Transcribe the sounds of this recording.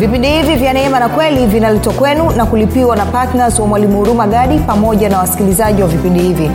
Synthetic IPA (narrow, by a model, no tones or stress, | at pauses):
vipindihivivjanɛɛmanakwɛlivinalɛtwakwɛnunakulipiwanapatnazwamwalimuuɾumaɠaɗipamɔʄanawasi̥kilizaʄiwavipindihivi